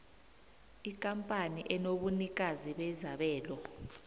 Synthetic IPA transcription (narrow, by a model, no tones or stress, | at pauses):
ikʼampʼaniʔɛnoɓunik̬aziɓɛzaɓɛːlɔ